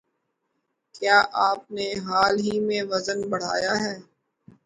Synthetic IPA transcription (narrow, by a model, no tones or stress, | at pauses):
kjaːʔaːp̚neɦaːlɦimẽʋɐzənbɐɽ̤a̰ːjaɦɛː